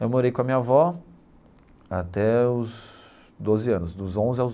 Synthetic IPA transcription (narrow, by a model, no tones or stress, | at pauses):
ewmoɾejkõɐmĩɲɐvɔ | at̪ɛʊz | d̪ozɪɐ̃nʊsd̪ʊzõzaw